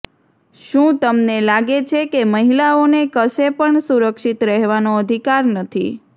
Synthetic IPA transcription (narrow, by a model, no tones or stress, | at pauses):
ʃũt̪əmnelaɡet͡ʃʰekeməɦilaonekəʃepəɳsuɾəkʃit̪ɾɛɦʋanoəd̪ʱikaɾnət̪ʰḭ